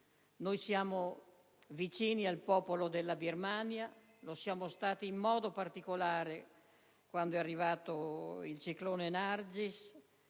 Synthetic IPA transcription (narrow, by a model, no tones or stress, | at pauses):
nojsjaːmo | vit͡ʃiːnialpɔːpolod̪elːabirmanja | losjaːmost̪aːt̪iːmːɔːd̪opart̪ikolaːɾe | kwand̪oɛarːivaːt̪oilt͡ʃikloːnenard͡ʒis